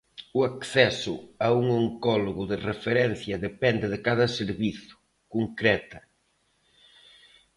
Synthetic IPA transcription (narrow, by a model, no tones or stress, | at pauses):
ʊakθɛsʊauŋoŋkɔloɣʊðɪrefeɾɛn̟θjɐðepɛnd̪ɪðɪkaðɐseɾβiθʊ̥ | koŋkɾɛt̪ɐ